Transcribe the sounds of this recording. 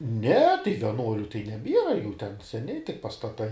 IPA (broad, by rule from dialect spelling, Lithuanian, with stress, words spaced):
nʲɛ tɐɪ ʋʲiɛˈnuɔlʲʊ tɐɪ nʲɛˈbʲiɛrɐ juː tʲɛn sʲɛˈnʲɪ tʲɪk pɐstɐˈtɐɪ